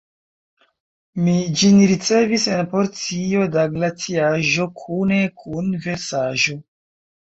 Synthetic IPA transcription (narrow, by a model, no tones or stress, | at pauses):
mid͡ʒinɾit͡se̞vise̞npo̞ɾt͡sio̞daɡlatiaʒo̞kʰune̞kʰunve̞ɾsaʒo̞